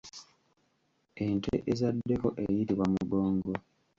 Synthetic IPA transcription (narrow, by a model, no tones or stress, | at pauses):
entʰeʔezadːe̞ko̞ʔejiɾiβwamuɡo̞ːŋɡo